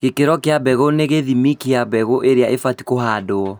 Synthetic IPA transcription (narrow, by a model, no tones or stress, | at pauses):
ɣekeɾɔkeabɛɣoneɣeðimikeabɛɣoʔeɾeaʔefati̥koɦaːdoɔ